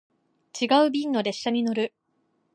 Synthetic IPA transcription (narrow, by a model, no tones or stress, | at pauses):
t͡ɕiɡaɯ̟bʲĩnːo̞ɾe̞ɕːaɲ̟ino̞ɾɯ̟